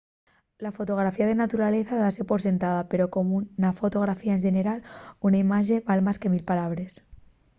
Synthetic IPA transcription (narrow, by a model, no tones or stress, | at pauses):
lafo̞t̪o̞ɣ̞ɾafiað̞e̞nat̪uɾale̞θaðasepo̞ɾs̬e̞nt̪að̞ape̞ɾo̞ko̞munafo̞t̪o̞ɣ̞ɾafiaenʒene̞ɾalunaimaʒe̞βalmaske̞milpalaβ̞ɾe̞s